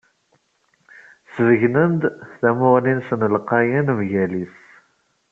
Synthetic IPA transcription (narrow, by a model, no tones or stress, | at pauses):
səvəʝnənd̪θæmʊʁlinsənlqɑjənmʝælis